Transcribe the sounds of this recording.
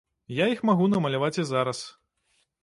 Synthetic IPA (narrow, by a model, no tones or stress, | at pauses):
jaixmaɣunɐmɐlʲavat͡sʲizaɾɐs